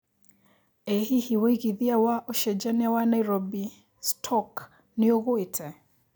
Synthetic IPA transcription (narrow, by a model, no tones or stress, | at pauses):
ɛhihiwiɣiðiawaʔɔʃɛd͡ʒaniawanaiɾɔbi | stʰɔk | niɔɣuitʰɛ